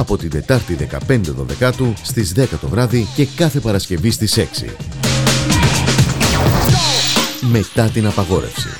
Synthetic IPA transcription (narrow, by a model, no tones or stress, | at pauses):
ɐpo̞t̪ind̪e̞t̪ɐɾt̪iðe̞kɐ̰pe̞nd̪e̞ðo̞̰ðe̞kɐt̪ust̪izðe̞kɐt̪o̞vɾɐðice̞kɐθe̞pɐɾɐsce̞vist̪ise̞ksḭ | me̞t̪ɐt̪inɐpɐɣo̞ɾe̞̰fsḭ